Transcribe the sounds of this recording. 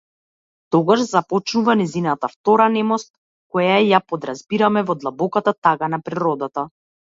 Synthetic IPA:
t̪ɔɡaʒzapɔt͡ʃnuvanɛzinat̪aft̪ɔɾanɛmɔst̪̚ | kɔjajapɔd̪ɾazbiɾamɛvɔd̪lˠabɔkat̪at̪aɡanapɾiɾɔd̪at̪a

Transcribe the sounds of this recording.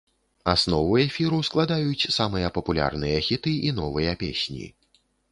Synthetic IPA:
asnɔvuɛfʲiɾusklˠad̪ajut͡sʲsamɨjɐpɐpulʲa̰rnɨjɐxʲit̪ɨinɔvɨjɐpʲḛsʲnʲḭ

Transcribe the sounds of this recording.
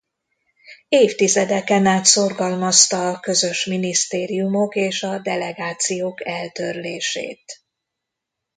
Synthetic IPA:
eːft̪izɛd̪ɛkɛnaːt̪so̞rɡɒlmɒst̪ɒːkø̞zø̞ʃminist̪eːɾijumo̞keːʃɒd̪ɛlɛɡaːt̪sijoːkɛlt̪ørleːʃḛːt̪

